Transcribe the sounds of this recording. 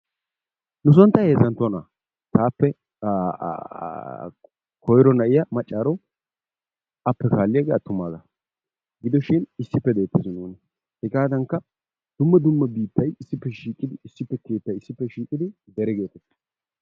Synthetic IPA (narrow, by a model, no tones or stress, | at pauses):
nʊs̬ɔnt̪ːɐhe̞ːzɐnt̪ːʊɐna̰ː | t̪ʰaːpːɛ | kʰɔjɾɔnɐʔɪjɐmɐt͡ʃʼːaːɾɔ | ɐpːɛkaːlːɪjɐɡeɐt̪ːʊmːaːzɐ | ɡɪd̪ɔʃɪnɪsːɪpːɛd̪eːt̪ːɪzɪnuːnɛ | hɛɡaːd̪ɐŋkːɐ | d̪̥ʊmːɐd̪ʊmːɐbiːt̪ːɐjɪsːɪpːɛʃiːkʼːɪd̪ɪɪsːɪpːɛke̞ːt̪ːɐjɪsːɪpːɛʃiːkʼɪd̪ɪd̪ɛɾɛɡe̞ːt̪ɛt̪ːɐ̥